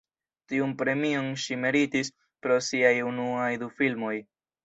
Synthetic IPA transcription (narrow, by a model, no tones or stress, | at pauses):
tiunpɾe̞mio̞nʃimeɾitis | pɾo̞siajunuajdufilmo̞j